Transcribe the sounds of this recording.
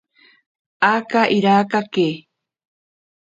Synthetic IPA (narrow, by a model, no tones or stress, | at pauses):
akaʔiɾaːkake